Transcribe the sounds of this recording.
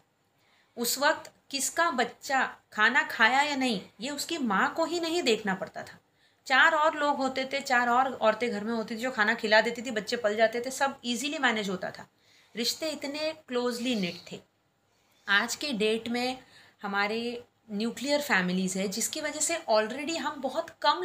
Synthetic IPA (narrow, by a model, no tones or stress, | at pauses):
ʊsʋɐk̚t̪ | kɪskabɐtːʃakʰaːnakʰaːjajanɐɦĩjeʊskimãkoɦinɐɦĩd̪eːkʰnapɐɽt̪a̰t̪ʰḁː | t͡ʃaːɾɔːɾloːɡɦoːt̪et̪ʰet͡ʃaːɾɔːɾɔːɾt̪eɡʱɐɾmẽɦoːt̪it̪ʰid͡ʒoːkʰaːnakʰɪlad̪eːt̪it̪ʰibɐtːʃepɐld͡ʒaːt̪et̪ʰesɐbiːzilimɛːneːd͡ʒɦoːt̪a̰t̪ʰa̰ː | ɾɪʃt̪eɪt̪nekloːzlinɪʈ̚t̪ʰeː | aːd͡ʒkeɖeːʈmẽhɐmaːɾe | njuːklijəɾfɛːmɪliːzɦɛd͡ʒɪskiʋɐd͡ʒəseʔɔːlɾeːɖiɦɐmbɔɦʊt̪kɐm